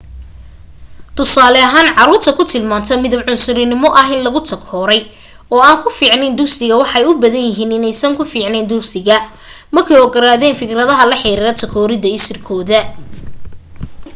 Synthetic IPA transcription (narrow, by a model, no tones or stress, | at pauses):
t̪ʰʊsaːlɛɐɦaːnʕɑɾuːrt̪ʰɐkʰʊt̪ʰɪlmaːnt̪ʰɐmɪðɐbʕʊnsʊɾɪnɪmɔʔɐɦɪnlɐɣʊt̪ʰɐkʰɔːɾɛj | ɔːaːŋkʰʊfiːʕnɛnd̪ʊksɪɣɐwɑħɑjʊbɐðɐnjɪɦiːnɪnɛjsɐŋkʰʊfiːʕnɛnd̪ʊksɪɣɐ | mɐrkʰɛjɔɡɐɾaːðɛːnfɪkʰɾɐðɐɦɐlɐħɪɾiːɾɐt̪ʰɐkʰɔːɾɪðɐɪsɪrkʰɔːðɐ